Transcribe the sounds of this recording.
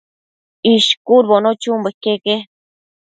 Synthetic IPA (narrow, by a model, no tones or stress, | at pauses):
iʃkuɾβonot͡ʃumbekeke